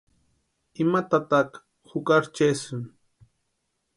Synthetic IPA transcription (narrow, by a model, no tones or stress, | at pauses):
ɪmat̪at̪ɑq | hʊkaɾt͡ʃesʊŋ